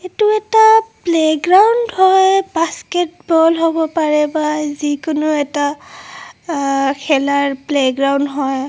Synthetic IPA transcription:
etuɛtapleɡɹawndhɔjbasketbɔlɦobɔpaɹɛbazikʊnʊɛta | kʰɛlaɹpleɡɹawndɦɔj

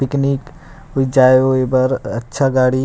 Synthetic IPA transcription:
pɪknik | ʊid͡ʒaeoebəɾɐtːʃʰaɡaːɽi

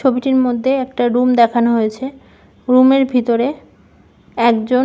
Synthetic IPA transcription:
obiʈiɾmod̪ʱːeɛk̚ʈaɾumd̪ɛkʰanoɦojet͡ɕʰe | ɾumeɾbʱit̪oɾe | ɛkd͡ʑo

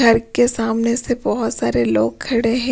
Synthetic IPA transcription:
ɐɾkesaːmnesebɔɦʊt̪saːɾeloːɡ̚kʰːɐɽeɦɛ̃

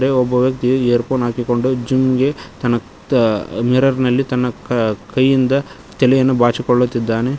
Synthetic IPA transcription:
ɾeɔbːɐʋjɐkt̪iɐeːɾpoːnɦaːkiko̞ɳɖud͡ʒimɡe̞t̪ɐnːɐ | miɾɐɾnɐlːit̪ɐnːɐkɐjːind̪ɐ | t̪ɛlɛjɐnːubaːt͡ʃikɔɭːut̪ːid̪ːaːne̞

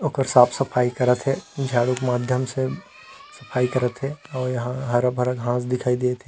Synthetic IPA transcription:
oːkəɾsaːpʰsɐpʰaːikɐɾət̪ɦɛnd͡ʒʰaːɽokmaːd̪ʱjəmse | sɐpʰaːikɐɾət̪ɦɛɔːɾjɐɦãɦɐɾbʱɐɾəkɦãːsd̪ɪkʰaːid̪eet̪ʰẽ

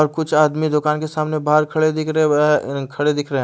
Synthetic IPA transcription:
ɔːɾkʊt͡ʃʰaːd̪mid̪ʊkaːnkesaːmnebaːɾkʰɐɽed̪ɪkʰɾ | kʰɐɽed̪ɪkʰɾeɦɛ̃

